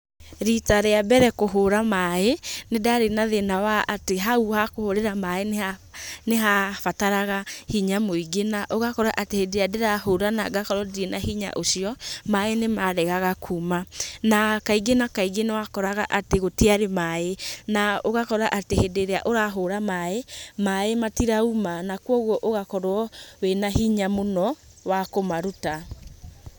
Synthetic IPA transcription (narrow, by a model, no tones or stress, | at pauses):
ɾitaɾeabɛɾɛkoɦoɾamaenedaɾenaðenawaateɦauhakohoɾeɾamaenaneɦafataɾaɣahiɲamoiɡenaʔoɣakɔɾaʔatehedeɾeadeɾahoɾana̰ɡakɔɾɔdɾenahiɲa̰ʔosjɔmaenemaɾɛɣaɣakʰuːmanakaiɡenakaiɡenewakɔɾaɣaʔateɣotiaɾemaenaoɣakɔɾaʔatehedeɾeaʔoɾaɦoɾamaemaematiɾaumanakwɔɣwɔʔoɣakɔɾwɔwenahiɲamonɔ | wakomaɾuta